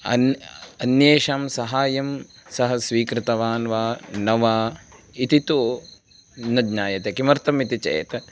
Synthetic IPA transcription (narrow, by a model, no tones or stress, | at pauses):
ɐ̰nɐnjeːʃaːmsɐɦaːjɐmsɐɦɐsʋiːkɾɪt̪ɐʋaːnʋaːnɐʋaː | it̪it̪oː | nɐd̪ɲaːjɐt̪ekimɐɾt̪ɐmit̪it͡ʃḛːt̪